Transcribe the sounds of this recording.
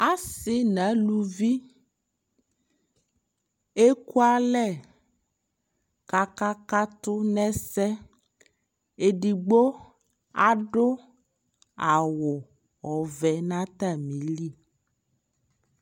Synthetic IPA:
a˦sɪ˦nã˨˦lu˨vi˦ | e˦ku˦a˦lɛ˦˨ | ka˨ka˦ka˦t̪ʊ˦nɛ̃˦sɛ˦ | e˨ɖi˨ɡ͡bo˦ | a˨ɖʊ˦ | a˨wʊ˨ | ɔ˨vɛ˨nã˦t̪a˦mĩ˨li˦˨

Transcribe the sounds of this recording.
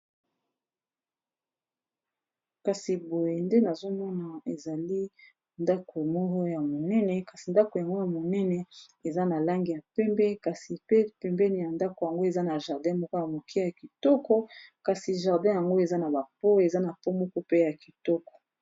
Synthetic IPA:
ka˨si˨bo˨je˨nde˦na˨zo˦mɔ˦na˨e˨za˨li˦ | nda˦ko˨mɔ˦kɔ˦ja˨mo˨nɛ˦nɛ˨ka˨si˨nda˦ko˨ja˨ŋɡo˦ja˨mo˨nɛ˦nɛ˨e˨za˦na˨la˦ŋɡi˨ja˨pɛ˦mbɛ˦ka˨si˨pe˦pɛ˨mbɛ˦ni˨ja˨nda˦ko˨ja˨ŋɡo˦e˨za˦na˨ʒa˨ʁdɛ̃˦mɔ˦ko˦ja˨mo˨kʰi˦ja˨ki˨tɔ˦kɔ˦ka˨si˨ʒa˨ʁdɛ̃˦ja˨ŋɡo˦e˨za˦na˨ba˨pɔ˦e˨za˦na˨pɔ˦mɔ˦kɔ˦pe˦ja˨ki˨tɔ˦kɔ̥˨

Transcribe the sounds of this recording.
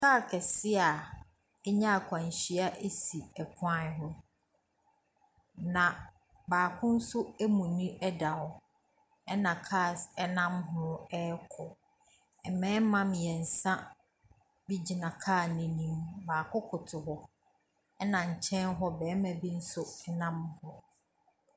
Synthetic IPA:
kaː˦˨kʰɛ˨sɪ˦a˨ | ɛ˦ɲã˦a˨kʷʰã˨ɲ˨ɕi˦a˦ʔe˦si˨ɛ˨kʰʊ˦ã˦˨˦ɦʊ̃˦ | nã˨ | baː˨kʰʊ̃˦n̩˦sʊ˦æ˦mũ˨nĩ˦ʔɛ˦da˨ɔ˨ | ɛ˦nã˨kʰaː˦˨sɛ˦nã˦mɦʊ̃˦ɛ˦kʰɔ˨ | ɛ˨mɛ̃ː˦mã˦m˨jɛ˨n̩˨sã˦ | bi˦d͡ʑi˨nã˨kʰaː˦˨nĩ˨nĩ˦mbaː˨kʰʊ˦kʰʊ˨tʰɪ˨ɦɔ˦ | ɛ˦nã˨ɲ̩˨t͡ɕʰɛ̃˦nɦɔ˦bɛː˨˦mã˨bi˦n̩˦sʊ˦ɛ˦nã˦mhʊ̃˦

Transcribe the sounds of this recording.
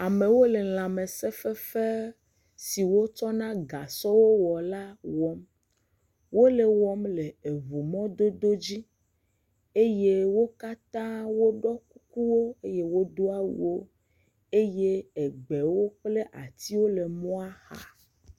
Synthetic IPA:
a˨me˨wo˦le˨l̃ã˨me˨sɛ˦fɛ˦fe˦ | si˨wo˦t͡ʃɔ˦nã˦ɡa˨sɔ˦wo˦wɔ˨la˦wɔ˦m | wo˦le˨wɔ˦mle˨e˨vu˨mɔ̃˦d̪o˦d̪o˦d͡ʑi˦ | e˦je˦wo˦ka˦t̪ã˦wo˦ɖɔ˦k̚u˦ku˦wo˦e˦je˦wo˦d̪o˦a˦wṵ˨wo˦ | e˦je˦e˨ɡ͡be˨wo˦k͡ple˦ʔa̰˨t̪i˦wo˦le˨mɔ̃˦a˦xa̰˨

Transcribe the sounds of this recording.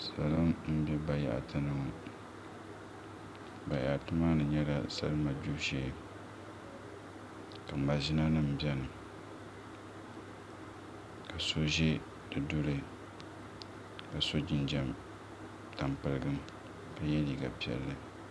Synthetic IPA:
sa˨lɨ˦mm̩˦bɛ˦ba˨ja̰˨ʔtʰɨ˦nɨ˦˨ŋa˨ | ba˨ja̰˨ʔtɨ˦maː˦nɨ˨ɲɛ˦la̰˨sa̰˦lɨ˦ma˨bu˦ʃeː˦ | ka˨m̩˨ba˨ʒi˦na˦nɨ˦m̩˨bɛ˦nɨ˨ | ka˨so˦ʒɛ˦ | dɨ˨dʊ˦ɾɨ˦ | ka˨so˦d͡ʒɪ˨nd͡ʒɛ˦m | ta˨mpɨ˨lɨ˦ɡɨ˦m | ka˨jɛ˦li˨ɡa̰˨pi˦ɛ̰˨lːɨ˨

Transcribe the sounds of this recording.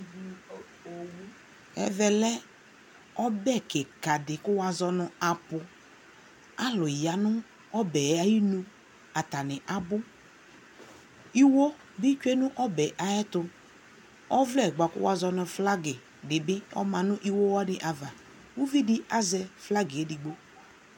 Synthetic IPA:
ɛ̰˦vɛ˨lɛ˦ | ɔ˦bɛ˦˨kɛ˨ka˨dɪ˨kʊ˦wa˨zɔ˧nʊ˨a˨pʊ˨ | a˦lʊ˨ja˨nʊ˦ | ɔ˦bɛ˨ja˨ji˦nũ˦ | a˨ta˨nɪ˨ʔa˨bʊ˦ | i˦wo˦ | bɪ˦t͡ʃᶣɛ˦nʊ̃˦ʔɔ˦bɛ˨ʔa˨jɛ˦tʊ˧ | ɔ˦vlɛ˦˨ɡ͡ba˨kʊ̰˦wa˨zɔ˧nʊ˧fla˦ɡɪ˨ | dɪ˨bɪ˦ɔ̰˦mã˨nʊ̃˦ʔi˦wo˦wɔ˦nɪ˨ʔa˨va˨ | wu˦vi˦di˦a˦zɛ˦fla˦ɡɪ˨e˦dɪ˨ɡ͡bo˦

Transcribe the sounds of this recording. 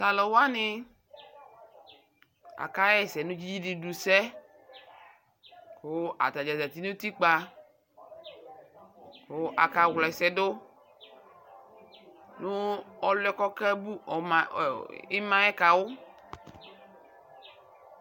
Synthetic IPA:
sa˨lo˨wa˦nɪ˦ | a̰˨ka˦jɛ˦˨sɛ˨nũ˦d͡ʒi˦d͡ʒi˦di˨du˨sɛ˦ | ko˦ʔa̰˨t̪a˨d͡ʒa˨za˨t̪i˦nũ˦t̪i˦k͡pa˧ | ko˦ʔa˨ka˨wlɔ˨ɛ˨sɛ˨do˦ | nʊ̃˦ɔ˨lɛ˦kɔ˦kɛ˦bu˦˨ɪ˦mã˨jɛ˦ka˨wʊ˦

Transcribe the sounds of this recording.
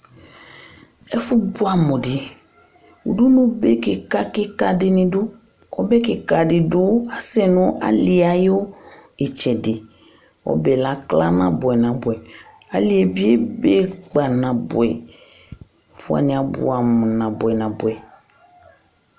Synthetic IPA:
ɛ˦fu˦bu˦a˨mʊ̃˨dɪ˨ | ṵ˨ɖu˦nũ˦be˦ke˨ka˦kɪ˦ka˦˨dɪ˨nĩ˨dʊ˦ | ɔ˦be˦kɪ˨ka˨dɪ˨dʊ˦a˦sɛ˦nʊ̃˦ʔa̰˦li˨a˨jo˦ | e˨t͡ʃɛ˨dɪ˨ | ɔ̰˦be˨la˦kla̰˦nã̰˨bʊ˨ɛ˨nã˨bʊ˨ɛ˨ | a̰˨li˨e˨bi˦e˦be˦k͡pa˨nã˨bʊ̰˨ɛ̰˨ | fʊ̰˦a̰˨nĩ˨a˨bʊ̰˨˦a˨mʊ̃˨nã˨bʊ˨ɛ˨nã˨bʊ˨ɛ˨

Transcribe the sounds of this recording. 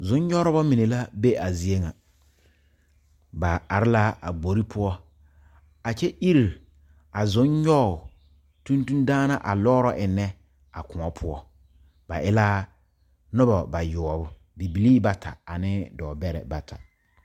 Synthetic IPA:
zʊ̃˨˦ɲɲɔ˦ɾʊ˦bɔ˦mi˨ne˨la˦be˦a˨zi˨e˦ŋa˨ | ba˨a˨ɾɪ˦la˦a˨ɡ͡bo˨ɾi˦pʰʊ˦ɔ˦ | a˨t͡ʃɛ˦ʔi˦ɾi˨ɾ | a˨zʊ˦ɲɲɔ˦˨ | tũ˦ntu˦ndaː˦na˦ʔa̰˨lɔː˦ɾɔ˦ʔɪ˨nːɛ˦ | a˨kʊ˨ɔ˨pʰʊ˦ɔ˦ | ba˨ʔɪ˦la˦ | nʊ˦bɔ˨ba˨jʊ˨ɔ˨bʊ˦ | di˨bi˨liː˦ba˨tʰa̰˨a˨nɪ˦dɔː˨bɛ˦ɾɛ̰˨ba˨tʰa̰˨

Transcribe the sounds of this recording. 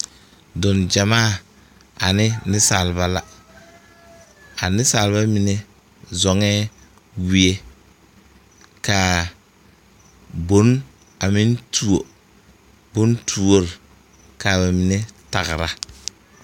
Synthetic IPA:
dʊ˨nd͡ʒa˨maː˦˨ | a˨nɪ˦nɪ˦saː˨lβa˦la˦ | a˨nɪ˦saː˨lba˦mi˨ne˦ | zɔ˨ŋɛː˦ | wi˨e˦ | ka˨ | bo˨˦n | a˨mɪ˦ntʰu˦o˨ | bʊ˦ntʰu˦o˦ɾɪ˨ | ka˨ba˨mi˨ne˦ta˨ɣɪ˨ɾa˨

